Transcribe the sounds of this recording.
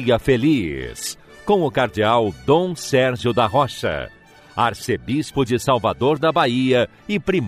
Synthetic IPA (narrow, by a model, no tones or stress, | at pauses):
ɐfelis | kõw̃ʊkaɾd͡ʒiawd̪õw̃sɛɾʒjʊd̪ɐɦɔʃɐ̰ | a̰ɾsebispʊd͡ʒɪsawvad̪oɾd̪ɐbaiɐ | ɪpɾim